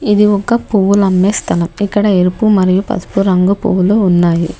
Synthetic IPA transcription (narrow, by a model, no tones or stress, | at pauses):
id̪iɔkɐpuʋulɐmːeːst̪ʰɐlɐmikːɐɽɐeɾupumɐɾijupɐ̰t̪puɾɐŋɡupṵʋuluunːaːji